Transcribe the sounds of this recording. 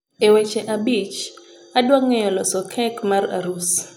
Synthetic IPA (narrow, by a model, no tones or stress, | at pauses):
ewɛt͡ʃɛʔabit͡ʃ | adwaŋːɛjɔlɔsɔkʰɛkmara̰ɾus